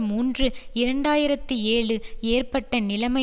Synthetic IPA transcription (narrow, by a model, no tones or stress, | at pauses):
muːndrɯɪɾɐɳɖaːjɪɾɐt̪ːɯeːɭɯeːrpɐʈːɐnɪlɐmɐ